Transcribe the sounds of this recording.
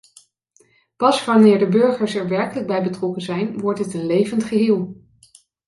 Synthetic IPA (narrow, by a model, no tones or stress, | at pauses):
pɑsʋɑnɪːɹdəbɵɹχəɹsɛɹʋɛɹkələɡ̚bɛjbətrɔkənzɛjnʋɔɹtdətənlejvəntχəɦɪːlˠ